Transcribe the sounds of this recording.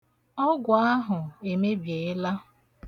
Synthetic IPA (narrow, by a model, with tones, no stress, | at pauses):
ɔ˦ɡʷʊ˨a˦ɦʊ˨e˨me˦bje˨ɪ˦la˦